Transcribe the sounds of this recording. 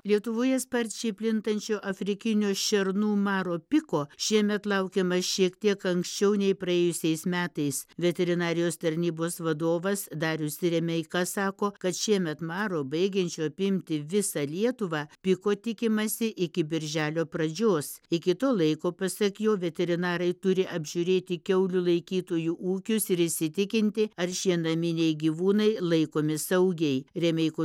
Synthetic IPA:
lʲiɛt̪ʊʋoːjɛspɐɾʲt͡ʃʲɛɪpʲlʲɪnt̪ɐnʲt͡ʃʲoːʔɐfʲɾʲɪkʲɪnʲoːʃʲɛɾnuːmɑːɾoːpʲɪkoːʃʲiɛmʲɛt̪lˠɐʊkʲɛmɐʃʲiɛkt̪ʲiɛkɐŋksʲt͡ʃʲɛʊnʲɛɪpɾɐeːjʊsʲɛɪsmʲæːt̪ɐɪsʋʲɛt̪ʲɛɾʲɪnɑːɾʲɪjoːst̪ɐɾʲnʲiːboːsʋɐd̪oːʋɐsd̪ɑːɾʲʊʃʲsʲɪɾʲɛmʲɛɪkɑːsɑːkoːkɐt̪ʃʲiɛmʲɛt̪mɑːɾoːbɐɪɡʲɛnʲt͡ʃʲoːɐpʲɪmʲt̪ʲɪʋʲɪsɑlʲiɛt̪ʊʋɑːpʲɪkoːt̪ʲɪkʲɪmɐsʲɪʔɪkʲɪbʲɪɾʲʒʲæːlʲoːpɾɐd͡ʒʲoːsɪkʲɪt̪oːlˠɐɪkoːpɐsʲɐkʲjoːʋʲɛt̪ʲɛɾʲɪnɑːɾɐɪt̪ʊɾʲɪʔɐbʲʒʲʊɾʲeːt̪ʲɪkʲɛʊlʲulˠɐɪkʲiːt̪oːjuːʔuːkʲʊsɪɾɪʃʲsʲɪt̪ʲɪkʲɪnʲt̪ʲɪɐɾʃʲiɛnɐmʲɪnʲɛjɡʲiːʋuːnɐɪlˠɐɪkoːmʲɪsɐʊɡʲɛɪɾʲɛmʲɛɪko

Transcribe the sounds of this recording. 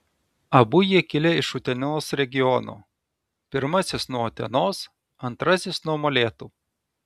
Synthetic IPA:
ɐbʊjiɛkʲɪlʲɛɪʃʊt̪ʲɛnʲoːsɾʲɛɡʲɪjɔno̰ː | pʲɪɾmɐsʲɪsnuɔɔt̪ʲɛnoːs | ɐnt̪ɾɐsʲɪsnuɔmoːlʲeːt̪uː

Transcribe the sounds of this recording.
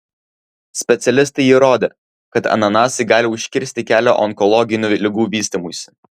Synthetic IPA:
sʲpʲɛt̪sʲɛlʲɪst̪ɐɪiɾoːd̪ʲeː | kɐt̪ɐ̰nɐnɑːsɐɪɡɑːlʲɪʊʃʲkʲɪɾʲsʲt̪ʲɪkʲæːlʲo̰ːʔɔŋkɔlˠɔɡʲɪnʲuːlʲɪɡuːʋʲiːsʲt̪ʲimuːsʲɪ̥

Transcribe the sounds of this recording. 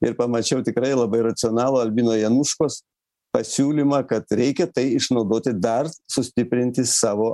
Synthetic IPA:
ɪɾpɐmɐt͡ʃʲɛʊt̪ʲɪkɾɐɪlˠɐbɐɪɾɐt̪sʲɪoːnɑːlˠoːɐlʲbʲiːnoːjɛnʊʃkoːs | pɐsʲuːlʲimɑːkɐt̪ɾʲɛɪkʲɛt̪ɐɪɪʃnɐʊd̪oːt̪ʲɪd̪ɐrsʊsʲt̪ʲɪpʲɾʲɪnʲt̪ʲɪsɑːʋoː

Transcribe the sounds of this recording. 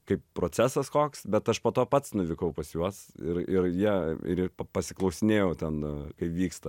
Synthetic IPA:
kɐɪppɾoːt͡sʲæsɐskoːksbʲɛt̪ɐʃpoːt̪oːpɐt̪snʊʋʲɪkɐʊpɐsjuɔsɪɾɪɾjiɛɪ̰ɾpɐpɐsʲɪklˠɐʊsʲɪnʲeːjɛʊt̪ʲɛnkɐɪpʋʲiːkst̪ɐ

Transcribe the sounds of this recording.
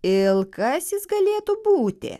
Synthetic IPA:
ɪlˠkɐsjɪsɡɐlʲeːt̪ʊbuːt̪ʲɪ̰

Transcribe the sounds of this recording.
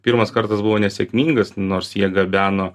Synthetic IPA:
pʲiːɾmɐskɐɾt̪ɑsbuʋoːnʲɛsʲɛkmʲiːŋɡɐsnoːɾsjiɛɡɐbʲæːnoː

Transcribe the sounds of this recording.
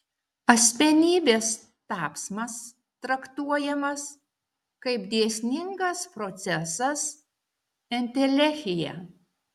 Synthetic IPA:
ɐsʲmʲɛnʲiːbʲeːs | t̪ɑːpsmɐs | t̪ɾɐkt̪uɔjɛmɐs | kɐɪpd̪ʲeɛsʲnʲɪŋɡɐspɾot̪sʲɛsɐs | ɛnʲt̪ʲɛlʲɛxʲɪjɛ̰

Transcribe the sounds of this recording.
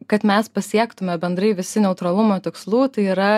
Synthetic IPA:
kɐt̪mʲɛspɐsʲiɛkt̪ʊmʲɛbʲɛnd̪ɾɐɪʋʲɪsʲɪnʲɛʊt̪ɾɐlˠʊmoːt̪ʲɪkslˠuːt̪ɐɪiːɾɐ

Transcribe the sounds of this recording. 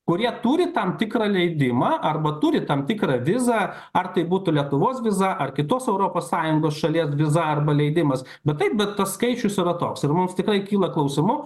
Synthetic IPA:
kʊɾʲiɛt̪uːɾʲɪt̪ɐmt̪ʲɪkɾɑːlʲɛɪd̪ʲɪmɑːʔɐrbɐt̪uɾʲɪt̪ɐmt̪ʲɪkɾɐʋʲɪzɑː | ɐrt̪ɐɪbuːt̪ʊlʲiɛt̪ʊʋoːsʋʲɪzɐʔɐrkʲɪt̪oːsɛʊɾoːpoːssɑːjʊŋɡoːsʃɐlʲiɛs̬ʋʲɪzɐɐrbɐlʲɛɪd̪ʲɪmɐs | bʲɛt̪t̪ɐɪp̚bʲɛt̪t̪ɐsskɐɪt͡ʃʲʊsiɾɐt̪oːksɪrmʊmst̪ʲɪkɾɐɪkʲiːlˠɐklˠɐʊsʲɪmʊ

